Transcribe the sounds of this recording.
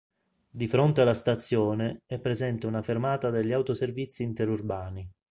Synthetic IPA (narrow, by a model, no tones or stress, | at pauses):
d̪ifɾont̪ealːast̪at̪sːjɔːneɛpːɾezɛnt̪eunafermaːt̪ad̪eʎːiawt̪oservit̪sːiːnt̪eɾurbaːni